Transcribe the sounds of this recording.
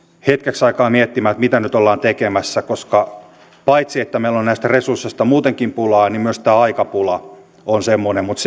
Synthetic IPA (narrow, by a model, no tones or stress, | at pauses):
het̪keksɑikɑːmiet̪ːimæːt̪mit̪ænyt̪olːɑːnt̪ekemæsːækoskɑ | pɑit̪siet̪ːæmeilonnæist̪æresursːest̪ɑmuːt̪eŋkimpulɑːnimmyøst̪æːɑikɑpulɑ | onsemːonemmut̪s